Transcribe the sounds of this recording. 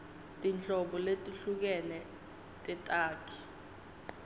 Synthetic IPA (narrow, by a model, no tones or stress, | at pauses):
tʼint͡ɬʼɔɓɔletʼuɬuk̬ɛnɛ | tʼɛtʼaːkʰi̥